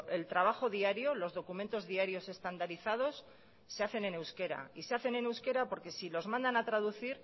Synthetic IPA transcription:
e̞lt̪ɾaβ̞axo̞ðiaɾjo̞lo̞zðo̞kumnt̪o̞zðiaɾjo̞se̞st̪and̪aɾiθað̞o̞sː | eaθe̞ne̞ne̞wske̞ɾa̰ise̞aθe̞ne̞ne̞wske̞ɾapo̞ɾke̞silo̞zmãnd̪anat̪ɾaðuθiɾ

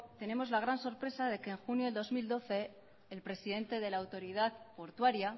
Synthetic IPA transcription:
t̪e̞ne̞mo̞zlaɣ̞ɾanso̞ɾpɾe̞sað̞e̞ke̞ːŋxunjoeld̪o̞zmild̪o̞θe̞ː | lpɾe̞siðe̞nt̪e̞ð̞e̞laːwt̪o̞ɾið̞aðpo̞ɾt̪waɾja

